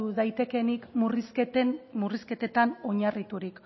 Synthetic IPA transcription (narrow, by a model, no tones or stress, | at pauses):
uðajt̪e̞ke̞nikmuriset̪muriske̞t̪e̞t̪ano̞ɲarit̪uɾik